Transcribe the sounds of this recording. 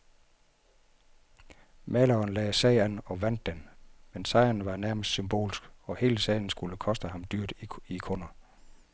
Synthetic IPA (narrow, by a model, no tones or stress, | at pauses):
mɛlɐɒnlɛːsɛɪɐnɒ̽ʋæn̰d̥ːenmensɑ̈ɪ̰ɐnʋɑ̈næɐməsd̥symb̥o̝̰ːlsɡ̥ɒ̽he̝ːləsɛ̰ɪn̩sɡ̥uləkʰɒ̽sd̥əhɑ̈md̥yɐ̰d̥ikʰonɐ